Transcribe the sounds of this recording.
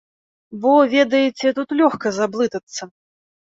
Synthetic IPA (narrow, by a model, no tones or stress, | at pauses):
bɔvʲed̪ɐjɛt͡sʲɛt̪ut̪lʲɔxkɐzablˠɨt̪ɐt̪sːɐ